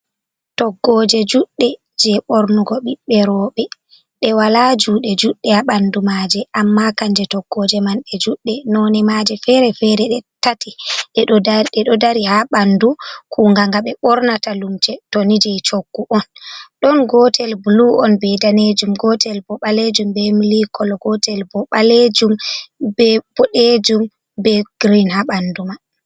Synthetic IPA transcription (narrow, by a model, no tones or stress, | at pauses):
tɔɡːɔd͡ʒɛd͡ʒuɗːɛ | d͡ʒɛɓɔɾnuɡɔɓiɓɛɾɔːɓɛ | ɗɛwalad͡ʒuːɗɛd͡ʒuɗːɛhaɓandumad͡ʒɛʔamːakaɲd͡ʒɛtɔɡːɔd͡ʒɛmanɗɛd͡ʒuɗːɛnɔnɛmad͡ʒɛfɛɾɛfɛɾɛɗɛtatiɗɛɗɛɗɔdaɾihaɓandukʰuŋɡaŋɡaɓɛɓɔɾnatalumt͡ʃɛtonid͡ʒɛjt͡ʃoɡ̥ːuʔɔnɗɔnɡɔtʰɛlbluʔɔnbɛdaned͡ʒumɡɔtʰɛlbɔɓaled͡ʒumbɛmilikɔlɔɡɔtɛlbɔɓaled͡ʒumbɛb̥ɔɗed͡ʒum | bɛɡ̥ɾinhaɓanduman